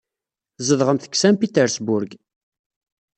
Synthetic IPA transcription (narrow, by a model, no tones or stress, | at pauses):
zəðʁəmθə̥ksæmpit̪ɛɾsbʊɾɡ